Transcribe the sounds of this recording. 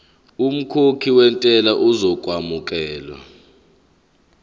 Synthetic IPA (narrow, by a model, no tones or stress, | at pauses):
um̩kʰokʰiwɛntʼɛlaʔuzɔk̬ʼwamuk̬ʼɛːlwa̰